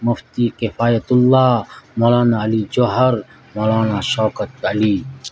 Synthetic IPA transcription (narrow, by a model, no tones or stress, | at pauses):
mʊft̪iːkɪfaːjɐt̪ʊlːaːmoːlaːnaːɐlid͡ʒoɦɐɾ | moːlaːnaːʃɔːkɐt̪̚ɐliː